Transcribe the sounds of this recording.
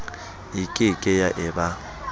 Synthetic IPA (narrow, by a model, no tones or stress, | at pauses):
ikʼɪkʼɛjaʔɛba